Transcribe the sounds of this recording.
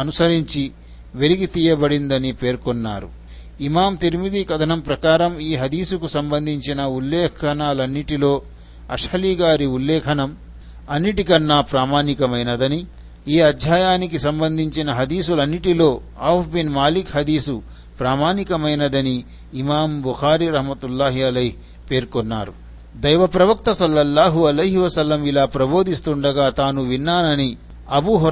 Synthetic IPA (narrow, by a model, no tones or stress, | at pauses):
ɐnusɐɾiɲt͡ʃi | ʋe̞liɡit̪iːjɐbɐɽind̪ɐnipe̞ːɾkonːa̰ːɾṵ | imaːmt̪iɾimid̪iːkɐd̪ʰʱɐnɐmpɾɐkaːɾɐmiːɦɐd̪iːsukusɐmbɐnd̪ʱiɲt͡ʃinɐulːɛːkʰɐnaːlɐnːiʈilo̞ː | ɐʂhɐliːɡaːɾiulːɛːkʰɐnɐm | ɐnːiʈikɐnːapɾaːmaːnikɐmɐjnɐd̪ɐni | iːɐd̪ʱjaːjaːnik̬isɐmbɐnd̪ʱiɲt͡ʃinɐɦɐd̪iːsulɐnːiʈilo̞ː | aːpbinmaːlikɦɐd̪iːsu | pɾaːmaːnikɐmɐjnɐd̪ɐniː | maːmbuxaːɾiːɾɐɦmɐt̪ulːaːɦiɐlɐjɦ | pe̞ːɾkɔnːa̰ːɾu | d̪ɐjʋɐpɾɐʋɐk̚t̪ɐsɐlːɐlːaːɦuɐlɐjɦiʋɐsɐlːɐmilaːpɾɐbo̞ːd̪ist̪uɳɖɐɡaːt̪aːnuʋinːaːnɐni | ɐbuːɦ